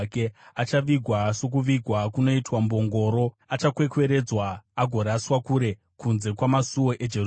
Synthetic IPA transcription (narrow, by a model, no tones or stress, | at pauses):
keat͡ʃaʋiɡʱwaso̞k̬uʋiɡʱwakuno̞itwambo̞ŋɡo̞ːɾo̞ | at͡ʃakwe̞kwe̞ɾe̞d͡zwaːɡʱo̞ɾaːswakuɾe̞ | kunze̞kwamasuwo̞ʔe̞d͡ʒe